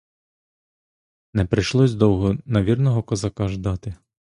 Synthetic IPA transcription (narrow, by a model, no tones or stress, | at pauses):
nɛpɾɪjʃlˠɔsʲd̪ɔwɦɔnɐʋʲirnɔɦɔkɐzɐkɑʒd̪ɑt̪ɪ